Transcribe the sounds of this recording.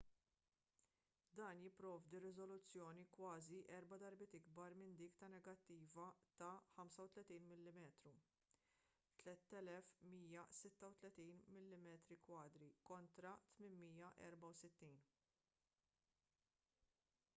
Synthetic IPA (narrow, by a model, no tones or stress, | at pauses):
d̪ɐːnjɪpːɾɔːvd̪iɾɪzɔlʊt͡sːjɔːnikwɐːziʔɛɾbɐd̪ɐɾbɪt̪ɪɡbɐɾmɪnd̪ɪːkt̪ɐnɛɡɐt̪ːiːvɐt̪ɐħɐmsɐwt̪lɛt̪iːnmɪlːɪmɛːt̪ɾu | t̪lɛt̪ːɛlɛfmiːjɐsɪt̪ːɐwt̪lɛt̪iːnmɪlːɪmɛːt̪ɾikwɐːd̪ɾikɔnt̪ɾɐt̪mɪnmiːjɐʔɛ̰ɾbɐwsɪt̪ːiːn